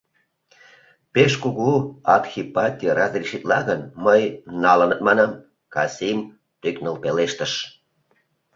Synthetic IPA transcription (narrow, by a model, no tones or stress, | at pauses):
peʃkuɣuɑrxʲipɑt̪ʲijəɾɑzriʃit̪lɑɣənməjnɑlənət̪mɑnɑm | kɑsʲim | t̪yknəlpeleʃt̪əʃ